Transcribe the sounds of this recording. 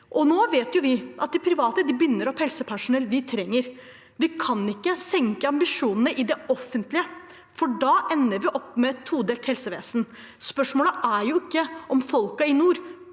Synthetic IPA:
ʔɔnoːʋeːt̪jʊʋɪʔɑt̪̚d̪ɪpʰɾɪʋɑːt̪əd̪ɪbʏnːəɾɔphɛlsəpʰæʂʊnɛlːʋɪt̪ʰɾɛŋːəɾ | ʋɪkʰɑnɪkːəsɛŋkəɑmbɪʂuːnn̩əʔɪd̪ɛɔfːənt̪lɪə | fɔɖɑːʔɛnːəɾʋɪʔɔpːmɛɛt̪huːd̪eːlt̪hɛlsəʋḛːsn̩ | spœʂmoːləʔæɾjʊɪkːəʔɔmfɔlkɑɪnuːɾ

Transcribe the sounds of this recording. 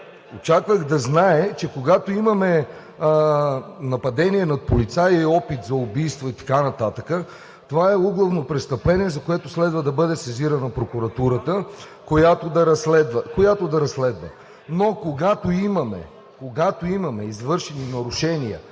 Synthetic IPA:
ot͡ʃakvəɣd̪ɐznaɛt͡ʃɛkoɡat̪oimɐmɛ | nɐpɐd̪ɛniɛnɐt̪̚polit̪saiɔpit̪zɐʊbijst̪voit̪ɐ̥kanɐt̪at̪əkə | t̪ovaɛuɡlˠɐvnopɾɛst̪ɐplɛniɛzɐkoɛt̪oslɛd̪vəd̪ɐbɤd̪ɛsɛziɾənɐpɾokʊɾɐt̪uɾət̪ə | kojat̪od̪ɐɾɐslɛd̪vəkojat̪od̪ɐɾɐslɛd̪və̰ | nokoɡat̪oimɐmɛ̰ | koɡat̪oimɐmɛizvɤɾʃɛninɐɾʊʃɛnijə̰

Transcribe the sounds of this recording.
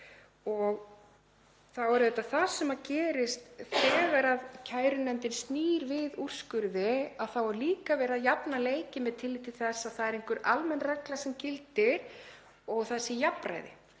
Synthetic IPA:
ɔɣ | θawɛɾʏðɛt̪aθasɛmacɛːɾɪst̪θɛːɣaɾaðcʰaːjɾʏnɛmnt̪ɪnst̪niːɾvɪður̥skʏɾðɪaðθawɔɾliːkavɛːɾaðjapnaleːjcɪmɛðt̪ʰɪlːɪt̪ʰɪlθɛsːaðθaðɛɾejŋkʏɾʔalmɛnːrɛklasɛmcɪlt̪ɪɾ̥ | ɔɣθaɛsːɪjapɾa̰jðɪ̰

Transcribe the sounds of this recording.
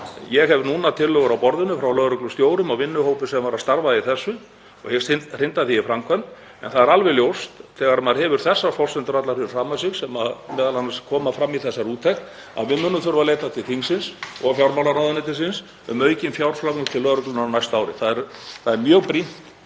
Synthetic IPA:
jɛɣɦɛvnuːnat̪ʰɪlːœːɣʏɾawpɔɾðʏnʏfɾawlœːðɾʏklʏst̪joːwɾʏmawvɪnːʏhoːwpʏsɛmavaɾast̪aɾvaðiθɛsːʏ | ɔ̰ɣhest̪ɪnr̥ɪnt̪aθiːfɾamkʰɛnt̪ | ɛ̰nθaðɛɾalvɛljowst̪θɛːɣaɾmaðɾhɛvʏɾ̥θɛsːafɔl̥sɛnt̪ʏɾat̪laɾfɪɾɪ̥r̥aːmasɪɣsɛmaðmɛːðalanːaskʰɔːmafɾamːiθɛsːaɾuːt̪ʰɛxn | a̰ðvɪðmʏːnːʏθʏɾvaleːjt̪at̪ʰɪlt̪θʰiŋsɪnsɔ̰ɣfjawɾmawlaɾawðanɪt̪ɪsɪns | ʏ̰mœːɥcɪnfjawɾ̥flaknʏ̥t̪ʰɪlːœːðɾʏklʏnanajst̪aːwɾɪ̰θaðɛɾθaðɛɾmjœːɣpɾin̥t̪

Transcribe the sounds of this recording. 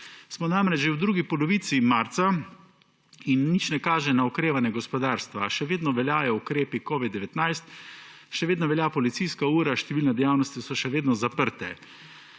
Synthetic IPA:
smɔnamɾɛd͡ʒʒewd̪ɾuːɡipɔlɔʋiːt̪simaɾt̪sa | inːit͡ʃnɛkaːʒɛnaɔkɾeːʋanjɛɡɔspɔd̪aːɾst̪ʋaʃɛʋeːd̪nɔʋɛljaːjɔukɾeːpikɔːʋid̪̚ːɛʋɛt̪najst̪ʃɛʋeːd̪nɔʋɛlʲjapɔlit̪sijskauːɾaʃt̪ɛʋiːlnad̪ɛjawnɔst̪isɔʃɛʋeːd̪nɔzapəɾt̪ɛ̰

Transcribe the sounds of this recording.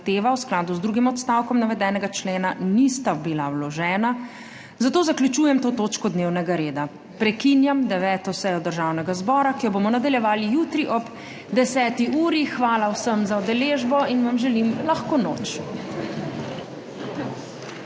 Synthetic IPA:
t̪eːʋawsklaːd̪uzd̪ɾuːɡimɔt̪st̪awkɔmnaʋɛd̪ɛːnɛɡat͡ʃleːnanist̪abilawlɔʒɛːna | zat̪oːzakljut͡ʃuːjɛmt̪oːt̪oːt͡ʃkɔd̪newnɛɡaɾeːd̪a | pɾɛkinjamd̪ɛʋɛːt̪ɔsɛjɔd̪əɾʒawnɛɡazbɔːɾakijɔbomɔnad̪aljɛʋaːlijut̪ɾiʔɔb | d̪ɛsɛːt̪iʔuːɾixʋaːlawsəmzaud̪ɛleːʒbɔinʋamʒɛlimlaxkonoːt͡ʃ

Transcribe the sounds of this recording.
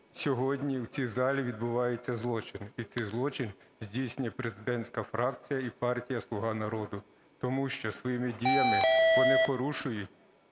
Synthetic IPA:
sʲɔɦɔdʲnʲiwt͡sʲizɑlʲiʋʲid̪bʊʋɑjet͡sʲːɐzlˠɔt͡ʃɪnit̪ɛjzlˠɔt͡ʃɪn | zʲdʲijsʲnʲɛpɾe̞zɪd̪ɛnʲt͡sʲkɐfɾɑk̚t͡sʲijɐipɑrtʲijɐslˠʊɦɑnɐɾɔd̪ʊ | t̪ɔmuʃt͡ʃɔsʋɔjimɪdʲijɐmɪʋɔnɪkɔɾuʃʊjʊtʲ

